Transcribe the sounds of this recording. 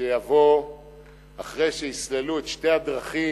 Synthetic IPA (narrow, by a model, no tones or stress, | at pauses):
ejavo̞ | aχʁejʃeisleluet̪ʃte̞ad̪ʁaχi